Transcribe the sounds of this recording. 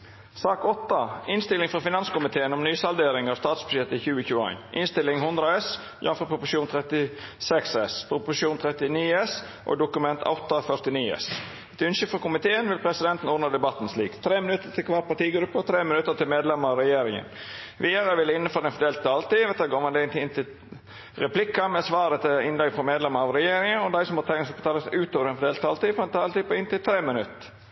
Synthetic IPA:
sɑːkɔt̪ːɑɪnst̪ɪlɪŋfɔfɪnɑnskʊmɪt̪ʰeːənɔmnyːsɑld̪eːɾɪŋɑʋst̪ɑːt̪sbʉʃɛt̪əçʉːəçʉːəɑ̰ɪnʔɪnst̪ɪlɪŋhʊnd̪ɾəɑɛs | jɑnfɔpʰɾʊpʊʂuːnt̪ʰɾɛt̪ɪsɛksɛspʰɾʊpʊʂuːnt̪ʰɾɛt̪ɪniːɛs | ʔɔ̰d̪ʊkʉmɛnt̪ʰɑ̰ʊt̪ːɑfœɾt̪ɪniːɛ̰s | ɛt̪ʉnʃəfɔkʊmɪt̪ʰeːənʋɪlpʰɾɛsɪd̪ɛnt̪n̩ɔːd̪nɑd̪ɛbɑt̪ːn̩sliːkt̪ʰɾeːmɪnʉt̪ːəɾt̪ʰɪlkʰʋɑːɾ̚pʰɑʈ̪iːɡɾʉpːət̪ʰɾeːmɪnʉt̪ːəɾt̪ɪlmeːd̪lɛməɾɑʋɾɛjeːɾɪŋə̰nʋiːəɾəʋɪlːəɪnːəføːɾɛnfɔd̪eːlt̪̚t̪ɑːlt̪iːʋɛt̪ːɡoːʋɑnd̪ɛənt̪ʰɪɪnt̪ɪ | ɾɛpʰlɪkːɑmɛsʋɑːɾət̪ʰɪɪnlɛɡfɾɔmeːd̪lɛməɾɑʋɾɛjeːɾɪŋənɔd̪æɪsɔmhɑt̪ʰɛŋskɑt̪ʰɑːləsʉːt̪oːʋəɾɛnfɔd̪eːlt̪ʰɑːlt̪iːfɔɾɛnt̪ʰɑːlt̪iːpɔɪnt̪ɪlt̪ʰɾeːmɪnʉt̪ːə

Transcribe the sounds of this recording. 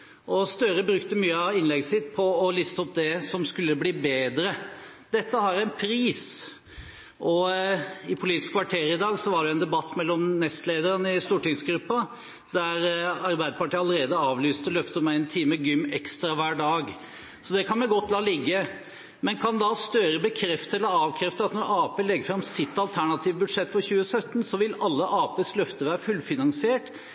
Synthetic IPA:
ʔɔst̪œɾəbɾʉkt̪əmyːəɑʋɪnlɛɡəsɪt̪ːpʰɔːlɪst̪əɔpd̪ɛsɔmskʉlːəbliːbeːd̪ɾə | d̪̥ɛt̪ːəhɑɾæɪnpʰɾiːs | ʔɔ | ɪpʰʊliːt̪ɪskʰʋɑʈʰeːɾɪd̪ɑːɡsɔʋɑɖɛjʊɛnd̪ɛbɑt̪ːmɛlːɔmnɛst̪leːd̪əɾənəɪst̪uːʈɪŋsɡɾʉpːɑ | d̪æɾɑɾbæɪd̪əpɑʈiːɑləɾeːd̪əɑːʋlyːst̪əlœft̪ət̪mæɪɛnt̪ʰiːməɡʏmːɛkst̪ɾɑʋæːɖɑːɡ | sɔd̪ɛkʰɑnmɛɡɔt̪ːlɑːlɪɡːə | mɛnkʰɑnd̪ɑst̪øːɾəbəkʰɾɛft̪əɛləɑːʋkʰɾɛft̪əɑt̪nɔɾɑːpeːlɛɡːəfɾɑmsɪt̪ːɑlt̪ʰæɳɑt̪ʰiːʋbʉd̪ʂɛt̪ːfɔɾçʉːəsœt̪ːənsɔʋɪlɑlːəʔɑːpeːslœft̪əʋæːɾəfʉlfɪnɑŋsɪeːʈ

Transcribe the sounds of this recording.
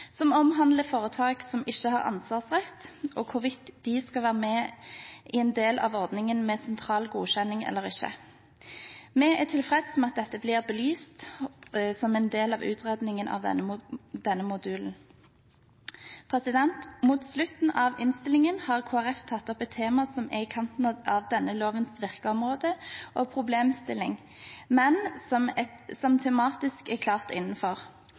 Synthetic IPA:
sɔmɔmɦɑnd̪ləfoːʁət̪ʰɑːɡsɔmɪçːəhɑʁɑ̰nsʋɑːʁsʁɛt̪ːʔoːkʰʊʁʋɪt̪ːd̪iskɑʋæːʁəmɛ | ʔɪɛnd̪eːlʔɑ̰ːʋɔʁd̪nɪŋənmɛsɛnt̪ʰʁɑːlɡuːɕɛnɪŋɛ̰lːəʁɪçə̰ | mɛæt̪ʰɪlfʁɛd̪sɔmɑt̪̚d̪ɛt̪ːəbliːʁbəlyːst̪ | sɔmɛnd̪eːlɑʋʉ̰ːt̪ʰʁed̪nɪŋənʔɑ̰ʋd̪ɛ̰nəd̪ɛnːəmʊd̪ʉːln̩ | pʰʁɛsɪd̪ɛnt̪muːt̪slʉt̪n̩ʔɑʋɪnst̪ɪlɪŋənhɑːʁkʰoːæʁɛft̪ʰɑt̪ːɔpɛt̪ʰːeːmɑsɔmɛɪkʰɑnt̪n̩ɑʋd̪ɛnːəloːʋənsʋɪʁkəɔmʁoːd̪əʔɔpʰʁʊbleːmst̪ɪlɪŋ | mɛnmt̪sɔmt̪ʰɛmɑːt̪ɪskɛkʰlɑːʁt̪ɪ̰nːn̩fɔʁ

